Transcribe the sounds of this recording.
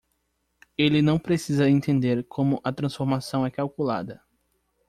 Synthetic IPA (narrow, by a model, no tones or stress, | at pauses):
elɪnɐ̃w̃pɾesizɐẽnt̪ẽnd̪eɾkʰõmʊʔɐt̪ɾɐ̃sfoɾmasɐ̃w̃ɛkawkula̰d̪ɐ